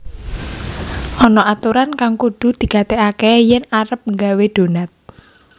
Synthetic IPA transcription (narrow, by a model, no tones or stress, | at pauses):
ʔɔnɔat̪uɾankaŋkuɖ̪̥ṳd̪̥i̤kat̪eakɛjɛnaɾəp̚ŋɡaweɖ̪̥o̤nat̪̚